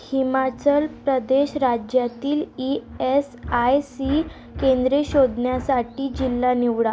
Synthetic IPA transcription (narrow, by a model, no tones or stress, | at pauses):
himat͡ɕəlpɾəd̪eɕɾad͡ʑjat̪iːliesajsi | kẽnd̪ɾeɕod̪njasaʈiːd͡ʑilːaniʋɽa